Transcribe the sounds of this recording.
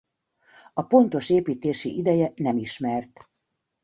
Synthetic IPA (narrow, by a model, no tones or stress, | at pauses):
ɒpo̞nt̪o̞ʃeːpiːt̪eːʃiʔid̪ɛjɛnɛmiʃmɛrt̪